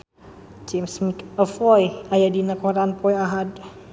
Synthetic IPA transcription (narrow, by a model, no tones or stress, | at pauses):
d͡ʒemsmikəfɔjajadinakɔɾanpɔjaɦad